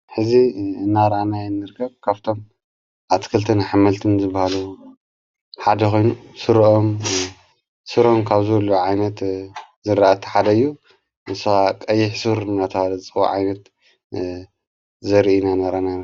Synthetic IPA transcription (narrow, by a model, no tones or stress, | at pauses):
ħɨziɨnːaɾʔanajɛnːɨɾkʰɐβkʰaβt̪ʰo̞m | ʔat̪ʰi̥kʰɨlt̪ʰɐnaħamɐlt̪ʰɨnzɨbahalu | ħad̪ɐkʰo̞jnusɨɾʔo̞m | sɨɾomkʰaβzɨlːuʕajnɐt̪zɨɾaʔat̪ʰi̥ħad̪ɐɨjːu | nɨsakʼɐjːɪħsɨɾnat̪ʰɐhalɐt͡sʼɨxṵʕa̰jnɐt̪ | zɐɾinanaɾʔana